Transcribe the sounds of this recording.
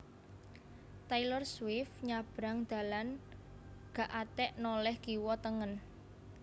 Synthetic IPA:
t̪ailɔrswɪfɲab̥ɾaŋd̪̥ä̤lan | ɡ̥a̤ʔat̪ɛʔnɔlɛhɡiwɔt̪əŋən

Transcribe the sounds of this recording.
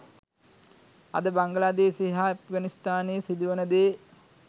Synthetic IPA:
ɐ̰d̪əbaŋɡəlaːd̪eːseɦaɐp̚ɡanist̪aːneːsid̪uʋənəd̪eː

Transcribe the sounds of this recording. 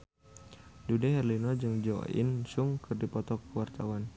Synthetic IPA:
dudɛɦɛrlinɔd͡ʒɨŋd͡ʒɔ̰ḭnsʊŋkɨrdipɔt̪ɔkəwart̪awan

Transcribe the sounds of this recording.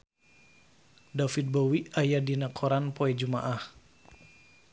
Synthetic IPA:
dafit̪̚bowiajadinakʰɔɾanpoɛd͡ʒumaʔah

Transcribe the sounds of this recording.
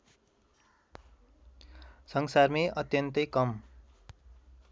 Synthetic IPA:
sʌŋsarmeʔʌt̪jʌnt̪ʌjkʌm

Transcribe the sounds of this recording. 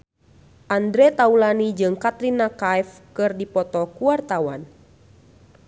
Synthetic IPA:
ʔandɾɛt̪aulanid͡ʒɨŋkat̪ɾinakajfkɨrdipɔt̪ɔkuart̪awa̰n

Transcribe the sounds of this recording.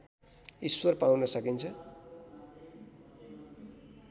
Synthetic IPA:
iswʌrpawnʌsʌkint͡sʰʌ

